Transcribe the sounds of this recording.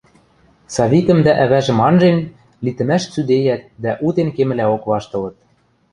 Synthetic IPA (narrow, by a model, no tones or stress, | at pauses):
sɑβʲit̪ə̆md̪æʔæβæʒɘ̆mɑnʒen | lit̪ɘ̆mæʃt͡syd̪ejæt̪̚d̪æʔut̪enkemɘ̆læokβɑʃt̪ɤ̆lɤ̆t̪̚